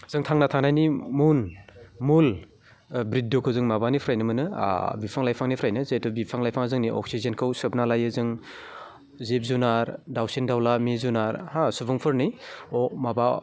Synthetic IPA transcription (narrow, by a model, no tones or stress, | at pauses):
z̥ɯŋtʰaŋnatʰaŋnajnimunmul | bɾit̚dɔkʰɯwzɯŋmabanipʰɾajnɯmɯnɯ̰bipʰaŋlajpʰaŋnipʰɾajnɯzetɔbipʰaŋlajpʰaŋazɯŋniʔɔ̰ksizenkʰɯwsɯp̚nalajɯzɯŋ | zep̚zunaɾdawsindawlamezunaɾhasubɯŋpʰɯɾniɔmaba